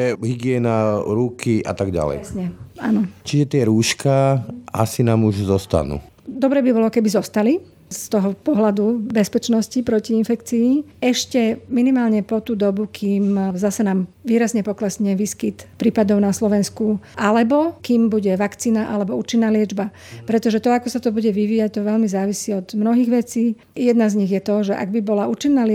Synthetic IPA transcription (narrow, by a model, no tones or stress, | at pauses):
ɛɦiɡɪɛːnaɾukiʔa̰t̪aɡɟa̰lɛ̰jsɲɛanɔt͡ʃiʒɛt̪ɪɛɾuːʃkaa̰sinaːmuʒzɔst̪a̰nṵː | d̪ɔbɾɛːbibɔlɔkɛbizɔst̪ali | st̪ɔɦɔpɔɦlad̪ubɛspɛt͡ʃnɔscipɾɔciinfɛkt͡siːɛʃcɛminimaːlɲɛpɔt̪uːd̪ɔbukʰiːmzasɛnaːmʋiːɾazɲɛpɔklɛsɲɛʋiːskit̪pɾiːpad̪ɔʊnaslɔʋɛnskuʔalɛbɔkiːmbuɟɛʋakt͡siːnaʔalɛbɔuːt͡ʃinːaːlɪɛd͡ʒba | pɾɛt̪ɔʒɛt̪ɔakɔsat̪ɔbuɟɛʋiʋiːjac̚t̪ɔʋɛʎmizaːʋisiɔd̪mnɔɦiːɣʋɛt͡siː | jɛd̪nazɲiɣjɛt̪ɔʒɛʔa̰ɡbibɔlauːt͡ʃinːaːl